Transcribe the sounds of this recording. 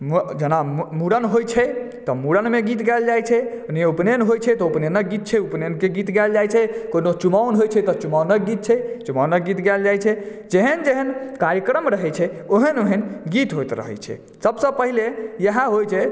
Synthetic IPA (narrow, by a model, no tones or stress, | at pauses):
md͡ʒənammuɽənɦojt͡ʃʰɛ | t̪ɔmuɽənmeɡit̪ɡɛld͡ʒajt͡ʃʰɛ | neupnenɦojt͡ʃʰɛt̪ɔupnenəɡit̪̚t͡ʃʰɛupnenkeɡit̪ɡɛld͡ʒajt͡ʃʰɛkonot͡ʃumaunɦojt͡ʃʰɛt̪ɔt͡ʃumaunəɡit̪̚t͡ʃʰɛt͡ʃumaunəɡit̪ɡɛld͡ʒajt͡ʃʰɛ | d͡ʒeɦənd͡ʒeɦənkaɾjəkɾəmɾəɦɛt͡ʃʰɛ | oɦənoɦənɡit̪ɦojt̪ɾə̰ɦɛ̰t͡ʃʰɛ̰ | səbsə̃pəɦilejəɦãɦojt͡ʃʰɛ